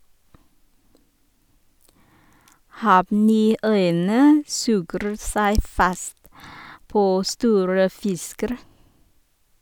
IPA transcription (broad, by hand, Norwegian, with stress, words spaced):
ˈhɑːʋˌniːˌœʏənə ˈsʉːɡɾ̩ ˈsæɪ ˈfɑst ˈpoː ˈstuːɾə ˈfɪskəɾ